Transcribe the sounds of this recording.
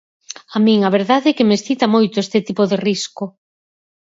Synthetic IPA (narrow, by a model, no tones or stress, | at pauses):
amĩŋɐβ̞eɾðaðɛkemesθit̪ɐmojt̪oest̪et̪ipoðerisko